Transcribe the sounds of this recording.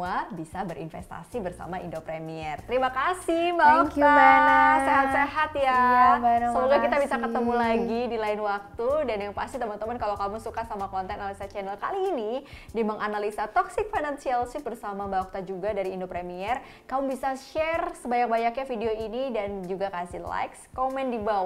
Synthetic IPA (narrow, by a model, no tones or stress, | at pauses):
uabisabəɾḭnfɛ̰st̪a̰sibərsa̰maindopɾemiɛrt̪əɾimakasihbak̚t̪aaseɦat̪seɦat̪ja | səluɡakit̪abisakət̪əmulaɡidilaɪnwak̚t̪udanjaŋpast̪it̪əmənt̪əmankalakamusukasamakɔnt̪ɛnaalisat͡ʃɛnɛlkaliːnidiməŋʔanalisat̪ɔksɪk̚fanansialsɪhbərsamabauk̚t̪ad͡ʒuɡadaɾiːndopɾemiɛr | kamubisaʃɛrsəbaɲak̚baɲakɲafideoinidand͡ʒuɡakasila̰jkskomɛndiba